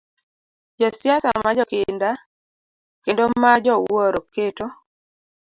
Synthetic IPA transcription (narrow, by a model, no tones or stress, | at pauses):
d͡ʒɔsjasamad͡ʒɔkɪnda | kendomad͡ʒɔwoɾoketo